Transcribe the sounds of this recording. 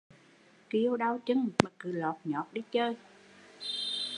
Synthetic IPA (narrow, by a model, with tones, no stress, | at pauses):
ki˧əwɗa˧wt͡ɕɨ˧ŋmaː˨˩kɨ˨˩lɔ˨˩t̚ɲɔ˨˩ɗi˧t͡ɕəː˧j